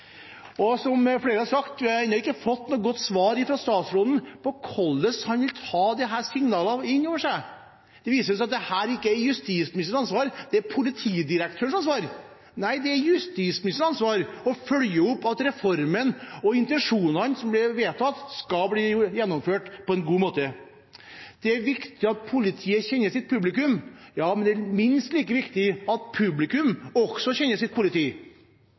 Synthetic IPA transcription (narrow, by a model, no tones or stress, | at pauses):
ɔsɔmfleːɾəhɑsɑkt̪ɛnɑɾɪkːəfɔt̪ːnuːəɡɔt̪ːsʋɑːɾɪfɾɑst̪ɑːt̪sɾoːd̪n̩pʰɔkʰɔlːəshɑnʋɪlt̪ʰɑːd̪ɛɦæːsɪŋnɑːləɪnːoːʋəʂæɪ | d̪̥ɛʋiːsəɾs̬ɑt̪̚d̪ɛhæːɾɪkːəæjʉst̪iːsmnɪst̪əɳɑnsʋɑːɾd̪̥ɛæɾpʰʊlɪt̪ʰiːd̪ɪɾəkt̪ʰøːəɳ̩ʂɑnsʋɑːɾ | næɪd̪ɛæɾjʉst̪iːsmɪnɪst̪əɳɑnsʋɑːɾɔfœljəʊpːɑt̪ɾɛfɔɾmənɔɪnt̪ɛnʂuːnɑnsɔmblɛʋeːt̪ʰɑt̪ːskɑbliːjɛnːɔmføːʈpʰɔɛnɡuːmoːt̪ə | d̪̥ɛæɾʋɪkt̪ɪɑt̪̚pʰʊlɪt̪ʰiːəçɛnːəʂɪt̪̚pʰʉblɪkʉmjɑːmɛnd̪ɛæmɪnst̪liːkəʋɪkt̪ɪɑt̪̚pʰʉblɪkʉmɔɡ̥sɔçɛnːəʂɪt̪̚pʰʊlɪt̪iː